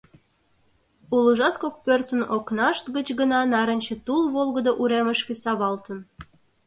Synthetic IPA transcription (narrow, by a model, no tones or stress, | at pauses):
uləʒɑt̪̚kok̚pørt̪ənoknɑʃt̪ɡət͡ɕɣənɑnɑɾənʲt͡ɕet̪ulβolˠɣəd̪oʔuɾeməʃkesɑβɑlt̪ən